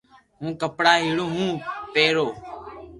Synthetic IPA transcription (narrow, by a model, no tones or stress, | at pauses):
ɦũːkəpɽaːɦiːɽõːɦũːpeːɾoː